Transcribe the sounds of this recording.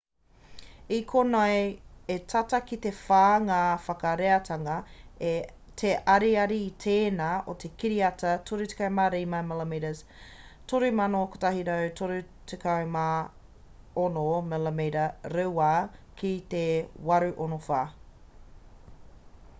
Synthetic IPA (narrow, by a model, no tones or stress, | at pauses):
ikʰonɐjetʰɐtɐkit̪efaːŋafɐkɐɾeɐtʰɐŋɐe | tʰeʔɐɾiɐɾiːtʰeːnaːʔot̪ʰekiɾiɐtɐtʰoɾʉte̥kajmaːɾejmamɛlemiɾɐz | tʰoɾʉmɐnoko̥t̪ɐɦiɾawtʰoɾʉ | tʰekʰajma | onomɛlemeɾɐɾuwaːkit̪ewɐɾʉʔonofaː